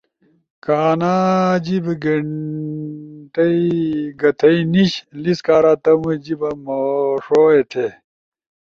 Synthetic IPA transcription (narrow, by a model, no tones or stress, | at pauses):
kaːnad͡ʑibɡe | ʈɐiɡɐt̪ʰɐiniɕliskaːɾaːt̪ɐmud͡ʑibɐmoʂoːet̪ʰe